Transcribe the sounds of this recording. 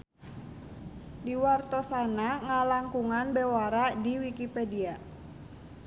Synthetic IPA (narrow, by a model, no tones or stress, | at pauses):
diwart̪ɔsanaŋalaŋkuŋanbewaɾadiwikipedia